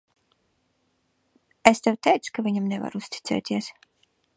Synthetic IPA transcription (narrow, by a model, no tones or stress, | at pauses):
est̪ɛwt̪ʲɛjt̪su̥kavʲiɲamnɛva̰ɾust̪ʲi̥t̪sʲɛ̰ːt̪ʲiɛs